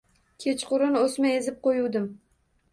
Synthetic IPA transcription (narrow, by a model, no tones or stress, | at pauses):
kʲʰe̞t͡ʃqʊɾɪnosmaezɪp̚qojuwd̪ɪm